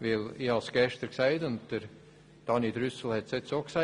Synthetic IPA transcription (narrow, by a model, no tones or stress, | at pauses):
ʋɪliːɑlsɡ̥ɛʃtəɾksæɪdʊnt̚d̥əɾ | d̥ɑnid̪ɾʏsl̩hɛt̪setsoːksæ